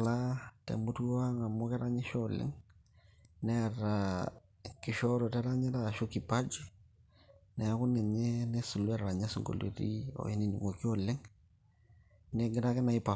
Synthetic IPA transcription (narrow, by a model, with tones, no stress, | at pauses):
la˦tɛ̰˨mu˦tu˦a˦ŋa˨mo˦kɛ˦ɾa˦ɲɛ˦ʃɔ˦lɪ̰˦ŋ | nɛ˦a˨ra | kɪ˨ʃɔ˦ɾɔ˨tɛ˦ɾa˦ɲɛ˦ta˦˨ʃu˦ki˨pa˦d͡ʒi˦ | nɛ˨a˨˦kʊ˦nɛ˨ɲe˦nɛ˦su˨lwɛ˦ɾa˨ɲa˦si˨ŋɡo̰˨lḛ˨ɾḭ˦ɔ̰˨i˦ni˨ni˨ŋo˨ki˦o˦lɪ˦ŋ | nɛ˦ɡɪ˦ɾa˦kɛ˦na˨i˦pa˨